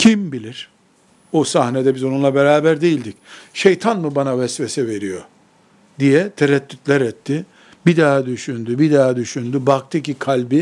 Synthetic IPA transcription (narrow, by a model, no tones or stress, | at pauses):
cʰimbilʲiɾ̥ | osahnɛd̪ɛbizonunlˠabeɾaːbæɾd̪ejilʲd̪icʃejt̪ʰanmɯbanavɛsvɛsɛve̞ɾijo | d̪ijɛt̪ʰeɾɛt̪ːyt̪lʲɛɾɛt̪ʰːi | bid̪aːd̪yʃynd̪ybid̪ad̪yʃynd̪ybak̚t̪ʰɯcikʰalʲbi